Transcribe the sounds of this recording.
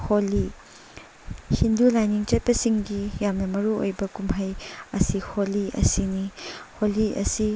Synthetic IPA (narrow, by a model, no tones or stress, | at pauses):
holi | hindulajniŋt͡ʃɐt̚pɐsiŋɡijamnɐmɐɾuo̰jbɐkumɦajɐsiholiɐ̰siniholiɐ̰si